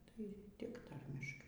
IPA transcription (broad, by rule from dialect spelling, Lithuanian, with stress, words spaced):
tɐɪ tʲɪk ˈtɐrʲmʲɪʃkɐɪ